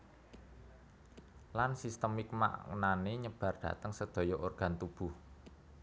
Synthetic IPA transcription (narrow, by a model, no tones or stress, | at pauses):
lansist̪əmik̚ma̰ʔŋṵnaneɲəb̥a̤rɖ̪̥ä̤t̪əŋsəd̪̥ɔ̤jɔʔorɡ̥a̤nt̪ub̥uh